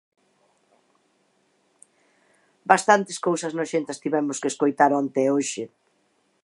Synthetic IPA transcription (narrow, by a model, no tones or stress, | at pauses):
bast̪ant̪eskowsɐznoʃent̪ast̪iβɛmʊskeːskojt̪aɾont̪eoʃɪ